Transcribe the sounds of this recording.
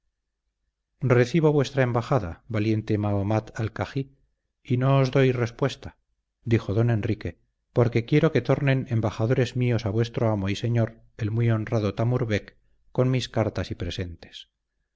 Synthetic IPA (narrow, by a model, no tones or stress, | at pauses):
re̞θiβo̞βwe̞st̪ɾae̞mbaxaða̰βalje̞nt̪e̞maomat̪alkaxi | ino̞ːzðo̞jre̞spwe̞st̪a | d̪ixo̞ðo̞ne̞nrike̞ | po̞ɾke̞kje̞ɾo̞ke̞t̪o̞ɾne̞nembaxaðo̞ɾe̞zmio̞saβwe̞st̪ɾo̞amo̞ise̞ɲo̞ɾ | e̞lmwio̞nraðot̪amuɾβe̞kː | kːo̞nmiskaɾt̪asipɾe̞se̞nt̪e̞̥s